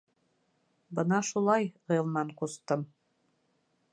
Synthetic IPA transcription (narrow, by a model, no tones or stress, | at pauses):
bɤnɑʃulˠɑjʁɤ̆jɤ̆lˠmɑɴqust̪ɤm